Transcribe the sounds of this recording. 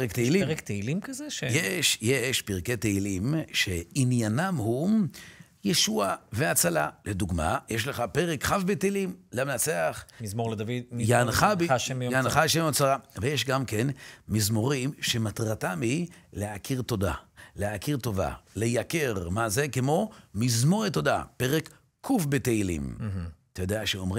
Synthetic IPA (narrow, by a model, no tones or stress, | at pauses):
ekt̪eilikt̪eilimkazeʃjeʃjeʃpiʁketeilimʃe̞injanamhu | jeʃuave̞at͡salaled̪uɡma̰jeʃleχape̞ʁekχavbeteilimleamenat͡seaχmizmoʁledavid̪̚ijaanχaaʃemjojaanχaʃemjot͡saʁavejeʃɡamke̞nmizmo̞ʁimʃemat̪ʁatamhileakʰiʁto̞d̪a̰leakiʁt̪o̞va̰lejakeʁmaze̞kemo̞mizmo̞ʁet̪o̞da̰pe̞ʁek | kʰːufbet̪eilḭmat̪ajod̪eaʃeomʁi